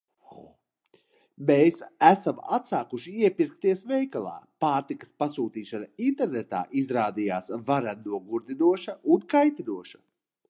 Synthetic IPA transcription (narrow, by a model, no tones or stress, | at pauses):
mesæsama̰t̪saːkuʃiiɛpiɾkt̪iɛsvɛjkalˠa̰ːpaːɾt̪ikɐ̥spasuːt̪iːʃanaint̪ɛɾnet̪a̰ːʔizɾaːd̪ijaːsvaɾanuɔɡuɾd̪inuɔʃɐʔunkajt̪inuɔʃɐ̥